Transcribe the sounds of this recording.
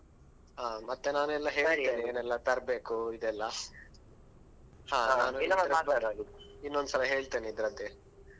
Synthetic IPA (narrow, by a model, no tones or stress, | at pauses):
ɦaːmɐt̪ːenaːnuɛlːɐɦe̞ːɭeːnieːnɛlːɐt̪ɐɾbe̞ːkuid̪ɛlːɐ | haːanaːnuɛlːɐaɾɐaːt̪aɾaliinːond̪usɐlɐɦe̞ːɭt̪eːniːd̪ɾɐd̪ːe